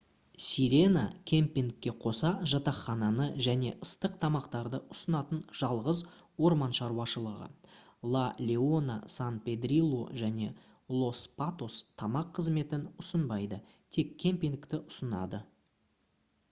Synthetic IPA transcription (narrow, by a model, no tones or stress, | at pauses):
sʲiɾʲe̞nakʲʰe̞mpʲiŋkʲːe̞qʰo̞sɑʒɑt̪ɑχːɑnɑnəʒæne̞̰ʔəst̪əq̚t̪ʰɑmɑqt̪ɑɾd̪əʊsənɑt̪ənʒ̥ɑlˠʁəz | wo̞ɾmɑnʃɑɾwɑʃəlˠəʁə̰ | lˠalʲeo̞na̰sanpe̞d̪ɾʲilˠːo̰ʒæne̞ | lˠo̞spat̪o̞st̪ʰɑmɑqʰːəzme̞t̪ɪnʊsənbɑjd̪ə | t̪ʰe̞kkʲʰːe̞mpʲiŋkt̪ɪʔʊsənɑ̰d̪ə